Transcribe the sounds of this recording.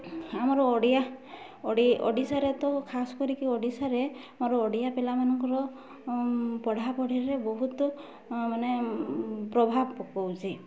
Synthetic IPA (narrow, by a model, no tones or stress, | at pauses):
amɔɾɔɔɽija | ɽiɔ̰ɽisaɾet̪ɔkʰasɔ̥kɔɾikiɔɽisaɾe | mɔɾɔɔɽijapelamanɔŋkɔɾɔ | pɔɽ̤ʱapɔɽ̤ʱiɾebɔɦut̪ɔ | mane | pɾɔbʱabɔkɔwt͡ʃʰi